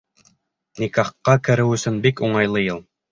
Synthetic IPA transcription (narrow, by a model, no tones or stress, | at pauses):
nikɑχqːɑkɘ̆ɾɘwɵ̆sɵnbikuɴɑjlˠɤjɤlˠ